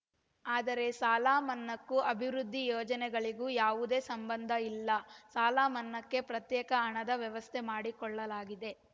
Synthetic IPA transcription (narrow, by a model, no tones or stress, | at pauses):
aːd̪ɐɾe̞saːlaːmɐnːɐkːuɐbʱiʋɾud̪ʱːijɔːd͡ʒɐnɛɡɐɭiɡuːjaːʋud̪e̞ːsɐmbɐnd̪ʱɐilːɐsaːlaːmɐnːɐkːe̞pɾɐt̪jɛːkɐːɳɐd̪ɐʋjɐʋɐst̪ʰemaːɽikɔɭːɐlaːɡid̪e̞